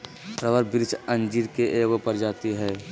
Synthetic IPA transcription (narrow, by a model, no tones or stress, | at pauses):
pɾəʋəɾbɪɾt͡ʃʰə̃nd͡ʒiːɾkeʔeːɡopəɾd͡ʒaːt̪iɦɛː